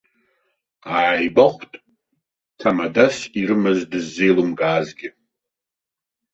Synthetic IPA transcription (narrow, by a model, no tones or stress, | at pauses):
aːjbaχʷtʼ | tʰamadasʼiɾɨmɨzdɨzːejlumɡaːzɡʲɪ